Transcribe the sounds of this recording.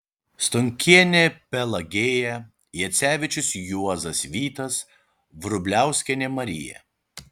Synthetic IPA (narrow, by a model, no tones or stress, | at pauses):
st̪ʊŋʲkʲiɛnʲepʲɛlˠɐɡʲeːjɛ | jɛt̪sʲæːʋʲɪt͡ʃʲʊsjuɔzɐsʋʲiːt̪ɐs | ʋɾʊbʲlʲæˑʊsʲkʲɛnʲɛmɐɾʲɪ̰jɛ̰